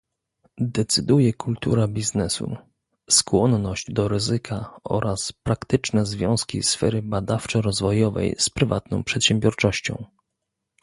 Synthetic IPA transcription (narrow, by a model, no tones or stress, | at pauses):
d̪ɛt̪sɘd̪ujɛkult̪ṵɾabʲiznɛsṵ | skwɔnnɔʑd͡ʑd̪ɔɾɘzɘkʰaɔ̰ɾʔaspɾakt̪ɘt͡ʂnɛzvʲjɔ̃w̃skʲḭsfɛ̰ɾɘbad̪aft͡ʂɛɾɔzvɔjɔvɛ̰jspɾɘva̰t̪nɔ̃w̃pʂɛt̪ɕɛmbʲjɔɾt͡ʂɔɕt͡ɕɔ̰̃w̃